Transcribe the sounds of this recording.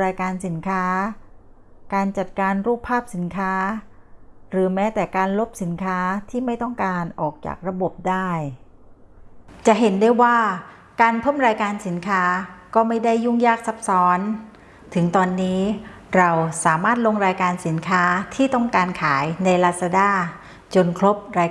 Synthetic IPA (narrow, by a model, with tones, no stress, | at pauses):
ɾaː˧jkaː˧nsi˩˦nkʰaː˦˥ | kaː˧nt͡ɕa˨˩t̪̚kaː˧nɾuː˥˩pʰːaː˥˩p̚si˩˦nkʰaː˦˥ | ɾɯː˩˦mɛː˦˥t̪ɛː˨˩kaː˧nlo˦˥p̚si˩˦nkʰaː˦˥t̪ʰiː˥˩ma˥˩jt̪ɔ˥˩ŋkaː˧nʔɔː˨˩k̚t͡ɕa̰ː˨˩k̚ɾa˧bo˨˩p̚daː˥˩j | t͡ɕa˨˩ʔɦe˩˦ndu˥˩jwaː˥˩ | kaː˧npʰɤː˥˩mɾaː˧jkaː˧nsi˩˦nkʰaː˦˥kɔː˥˩ma˥˩jda˥˩jːu˥˩ŋjaː˥˩k̚sa˦˥p̚sɔː˦˥n | t̪ʰɯ˩˦ŋt̪ɔː˧nːiː˦˥ | ɾa˧wsaː˩˦maː˥˩t̪̚lo˧ŋɾaː˧jkaː˧nsi˩˦nkʰaː˦˥t̪ʰiː˥˩t̪ɔ˥˩ŋkaː˧nkʰaː˩˦jna˧jlaː˦˧˥t̪̚sa˧daː˥˩ | t͡ɕo˧nkʰɾo˦˥p̚ɾaː˧